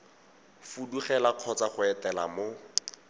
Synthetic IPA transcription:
fuduχɛlaq͡χʰɔt͡saχʊɛtɛla̰mo

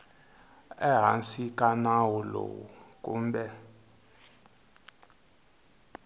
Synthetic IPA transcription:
ɛɦansikʼanawɔlo̰wṵkʼuːmɓɛ

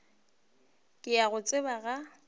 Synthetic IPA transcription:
kʼɪaɣʊt͡sʼɪbaɣa

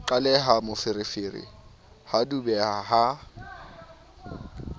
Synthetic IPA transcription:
ǃalɛɦamʊfɪɾɪfɪrɪ̰ | hadubɛaɦa

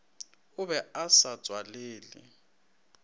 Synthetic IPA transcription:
ʊβɛasḁd͡z̥ʱwaleːlḭ

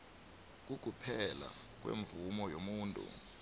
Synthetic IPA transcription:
k̬ʼuk̬ʼupʰɛlak̬ʼwḛɱvumɔjomuːntʼṵ

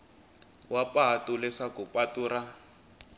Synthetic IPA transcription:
wapaɦatulɛʂakupʼatuːɾa

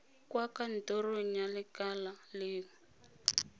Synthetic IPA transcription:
kwakan̩toroɲjalɪkalaleːŋ̩

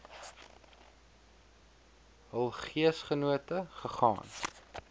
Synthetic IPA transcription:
ɦəlˠχiəsχənuətəχəχɑ̰ːn

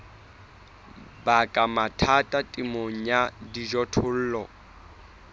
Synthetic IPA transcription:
bakʼamatʰatʼatʼimoŋ̩ɲadid͡ʒɔtʰʊl̩ːlɔ

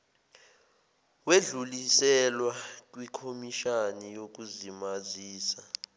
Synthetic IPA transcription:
weɮulisɛlwak̬ʼwikʰomiʃanijok̬uzimaziːsa

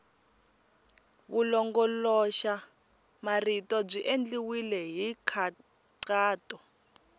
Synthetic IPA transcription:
βulɔŋɡɔlɔʃa | maritʼɔb͡ʐiʔend͡ɮiwilɛɦikʰa | ǀaːtʼɔ

